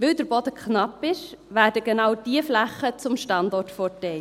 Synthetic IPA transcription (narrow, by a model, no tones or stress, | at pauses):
ʋɪldəɾbɔdəkχnɑpɪʃ | ʋæːɾdəɡenɑwd̥iəflæχət͡sʊmʃtɑndɔrtfɔtɛɪ